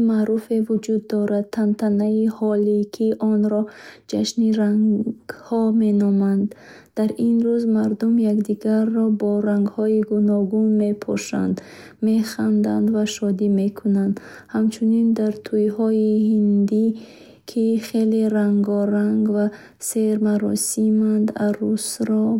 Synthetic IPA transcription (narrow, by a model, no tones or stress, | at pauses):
maɾufevud͡ʒud̪ːɔɾad̪̚t̪ʰant̪ʰanaihɔlikʰiʔɔnɾɔd͡ʒaʃniɾaŋɡ̥hɔme̞nɔmand̪̥ː | aɾinɾuzmaɾd̪umjakd̪iɡaɾːɔbɔɾaŋɡhɔiɡunɔɡunme̞pʰɔ̰ʃa̰nd̪ | meχand̪and̪vaʃɔd̪ime̞kʰunand̪ | hamt͡ʃʰunind̪aɾt̪ʰujhɔihind̪i | kʰiχeleɾaŋɡɔɾaŋɡva | seɾmaɾɔ̰simand̪a̰ɾusɾɔ